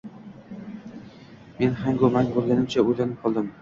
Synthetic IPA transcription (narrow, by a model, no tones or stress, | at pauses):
me̞nhaŋɡomaŋbolˠɡʲanɪmt͡ʃʰaojd̪anɪp̚qʰɒlˠd̪ɪm